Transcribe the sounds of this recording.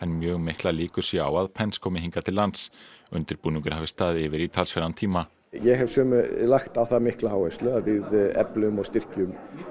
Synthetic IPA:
ɛnmjœːɣmehklaliːkʏɾ̥sjɛa̰waðpʰɛnskʰɔːmɪɦiŋkat̪ʰɪlːant̪sʏnt̪ɪɾpuːnʏŋkʏɾhaːvɪst̪aːðɪːvɪɾit̪ʰalsfɛɾant̪ʰiːma | jɛɣɦɛv̥sœːmʏlaxt̪awθamɪhklahawvɛst̪lœavɪðɛ̰plʏmɔɣst̪ɪr̥cʏm

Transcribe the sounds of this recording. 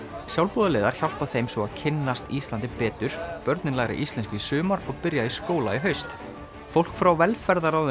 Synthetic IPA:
sjawlpuðalɛːðaɾ̥çawl̥paθejmsvɔaðcʰɪnːast̪ist̪lant̪ɪpɛːt̪ʏɾ̥pœɾt̪nɪnlaːɣɾa̰ʔist̪ɛnskʏisʏːmaɾɔɣpɪɾjaiskoːwlaiɦœɥst̪ | fowl̥kfɾawvɛlfɛɾðaɾawð

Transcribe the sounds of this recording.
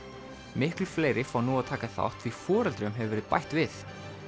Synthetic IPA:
mɪhklʏfleːjɾɪfaːwnuaðt̪ʰaːkaθa̰wht̪ʰvifɔːɾɛlt̪ɾʏmɦɛvɪvɛɾɪðpa̰jht̪vɪθ

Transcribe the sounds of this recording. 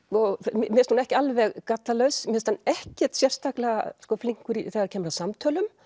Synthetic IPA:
ɔɣmɛst̪hunɛhcɪalvɛɣkat̪lalœɥsmɪst̪anɛhcɛ̥t̪sjɛr̥st̪aklaɣa̰skɔfliŋkʏɾiθɛɣaɾcʰɛːmʏɾaðsamt̪ʰœːlʏm

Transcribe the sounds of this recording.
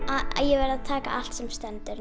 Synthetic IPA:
aa̰jɛvɛɾaðt̪ʰaːka̰ʔal̥t̪sɛmst̪ɛnt̪ʏɾ

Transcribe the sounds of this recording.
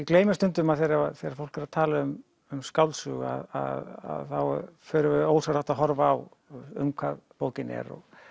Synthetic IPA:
kleːjmɪst̪ʏnt̪ʏmaðθejɾaɾaðθejɾaɾfowl̥kaɾaðt̪ʰaːlaʏm | ʏmskawlsʏːɣa̰ða̰ða̰ðθawfœːɾʏɪoːwsaɾaht̪aɦɔɾvaːw | ʏ̰mkʰvaðpoːwcɪnɛ̰ɾɔ̰ɣ

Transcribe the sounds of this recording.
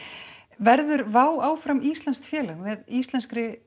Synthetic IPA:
vɛɾðʏɾvaːwaːwfɾamiːst̪lɛnst̪fjɛːlavɪðist̪lɛnskɾɪ

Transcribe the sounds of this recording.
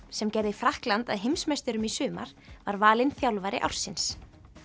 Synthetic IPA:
sɛmcɛjɾðɪifɾahklant̪a̰ðɦɪmsmajst̪ʏɾʏmisʏːma̰ɾ̥vaɾvaːlɪnθjawlvajɾɪ̰ʔa̰wr̥sɪns

